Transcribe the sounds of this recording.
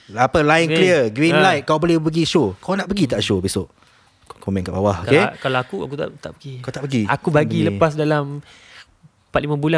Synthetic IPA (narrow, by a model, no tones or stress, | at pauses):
apəlaɪnklliəɡɾinnlajt̪̚kawbolɛhpəɡiʃokawnaʔpəɡit̪aʔʃobisʊʔ | kɔmɛ̃nkaʔbawahokkekalaakuakut̪a̰ʔt̪a̰ʔbəɡiat̪aʔpəɡia̰kubaɡiləpas̬dalam | pat̪̚limãbula